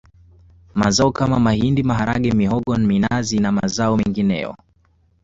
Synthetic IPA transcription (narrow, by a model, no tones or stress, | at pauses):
mazaɔkamamahindimaɦaɾa̰ɠɛmiɦɔɠɔnminazinama̰zaɔmɛŋɡinɛ̰jɔ̰